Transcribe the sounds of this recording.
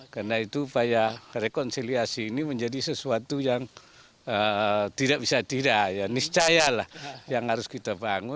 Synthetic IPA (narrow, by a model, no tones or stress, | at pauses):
karnait̪uːpajarekɔnsiliasiːniməɲd͡ʒadisəsuat̪ujaŋ | ət̪idak̚bisat̪idajanist͡ʃajalahjaŋhaɾʊskit̪abaŋʊ